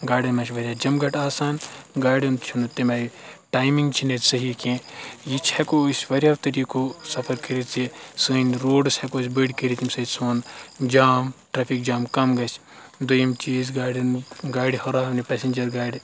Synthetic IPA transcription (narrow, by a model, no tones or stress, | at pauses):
ɡaːɖɐnmɐt͡ʃʋɐɾʲjad͡ʒɐmɡɐʈaːsaːnɡaːɖɐnt͡ʃʰunut̪imɐʈaːjmiŋɡt͡ʃʰinetsɐɦikẽjit͡ʃʰhɐkoːsʲʋɐɾʲaʋt̪ɐɾikosɐpʰɐɾkɐɾit͡sisɨːnʲɾoːɖsʲhɐkoːs̬ʲbəɖkəɾit̪imsɐt͡ʃʲsoːnd͡ʒaːmʈɾaːpʰik̚d͡ʒaːmkɐmɡɐt͡ʃʰ | d̪ujimt͡ʃiːzɡaːɖɐnɡaːɖhɐɾaːnipɛsend͡ʒɐɾɡaːjɖ